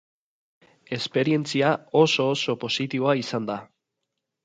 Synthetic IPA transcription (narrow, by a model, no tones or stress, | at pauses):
e̞spe̞ɾie̞nt͡siao̞so̞ːso̞po̞sit̪iβo̞aisand̪a